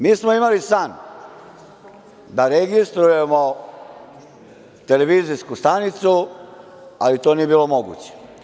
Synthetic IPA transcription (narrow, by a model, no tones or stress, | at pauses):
miːsmoimalisan | d̪aɾeɡist̪ɾuje̞mo | t̪e̞le̞ʋiːziskust̪anit̪su | a̰lit̪oːnie̞biːlˠo̞mo̞ɡṵːt͡ɕe̥